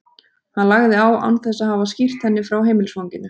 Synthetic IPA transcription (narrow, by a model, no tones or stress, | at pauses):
hanlaɣðɪaːwa̰wnθɛsːahɦavascir̥t̪hɛnːɪfɾawɦeːjmɪlsvawɲcɪnːʏ